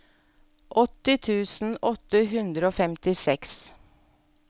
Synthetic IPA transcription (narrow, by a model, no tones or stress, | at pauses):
ʔɔt̪ɪt̪ʰʉːsn̩ɔt̪əɦʉnd̪ɾəoːfɛmt̪ɪsɛks